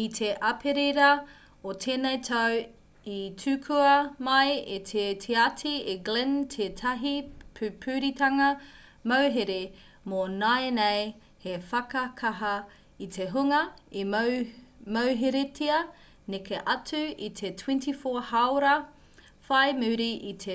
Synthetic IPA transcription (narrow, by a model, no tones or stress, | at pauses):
itʰeʔɐpʰeɾeɾɐ | otʰeːnejt̪ʰɐw | itʰʉːkʰuɐmɐjet̪ʰetʰeatʰieɡlentʰetʰɐɦipʰpʰʉːɾitʰɐŋɐ | mɐwɦeɾe | monaenej | hefɐkɐkʰɐɦɐ | it̪ʰeɦuŋɐi | mɐwɦeɾetʰiɐ | nekʰeʔɐtʰʉit̪ʰetʰwɛ̃ntifohawɾɐ | fajmʉːɾiʔit̪ʰe